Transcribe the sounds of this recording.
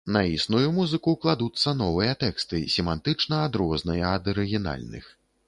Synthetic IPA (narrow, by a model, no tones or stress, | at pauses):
nɐisnujumuzɨkuklˠad̪ut̪sːɐnɔvɨjɐt̪ɛkst̪ɨsʲɛmant̪ɨt͡ʂnɐːd̪ɾɔznɐjɐɐd̪ɐɾɨɣʲina̰lʲnɨ̰x